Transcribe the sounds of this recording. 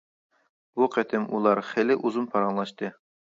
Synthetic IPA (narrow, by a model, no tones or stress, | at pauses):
buqʰæt̪ʰɪmulˠɑɾχælɪʔuzunpʰɑɾɑŋlˠɑʃt̪ɨ